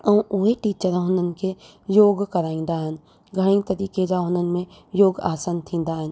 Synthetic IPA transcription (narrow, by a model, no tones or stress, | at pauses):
əũʔuɦeʈiːt͡ʃəɾɦõːnənke | joːɡkəɾaːĩːn̆d̪aɦən̆ | ɡʱəɽ̃ĩːt̪ɐɾiːked͡ʒaɦõːnənmẽ | joːɡa̰ːsənt̪ʰĩːnd̪aɦən